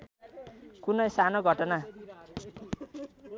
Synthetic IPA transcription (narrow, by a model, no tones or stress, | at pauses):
kunʌjsanoɡʱʌʈʌna